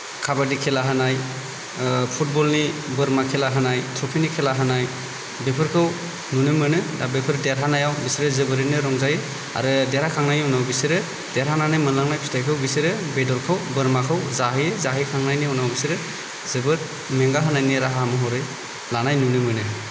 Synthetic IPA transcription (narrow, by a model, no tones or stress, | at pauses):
kʰabadikʰelaɦanaj | pʰut̚bɔlnibɯɾmakʰelaɦanajtʰɾɔpʰinikʰelaɦanaj | bepʰɯɾkʰɯw | nunɯmɯnɯabepʰɯɾdeɾɦanajawbisiɾɯzɯbɯɾinɯɾɔŋzajɯ | a̰ɾɯdeɾhakʰaŋnajnwnawbisiɾɯ | deɾɦananajmɯnlaŋnajpʰitʰajkʰɯwbisiɾɯbedɔɾkʰɯwbɯɾmakʰɯwzaɦɯjzaɦɯjkʰaŋnajniɔnawbisiɾɯ | zɯbɯɾ | meŋɡaɦanajniɾaɦamɯɦɔɾɯj | lanajnunɯmɯnɯ